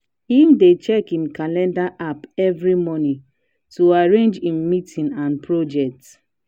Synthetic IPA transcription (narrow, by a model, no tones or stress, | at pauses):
himdet͡ʃɛkĩnkalɛ̃ndaʔapɛvɹimɔni | tuaɹẽnd͡ʒĩmːitĩnãnpʰɹod͡ʒɛk̚t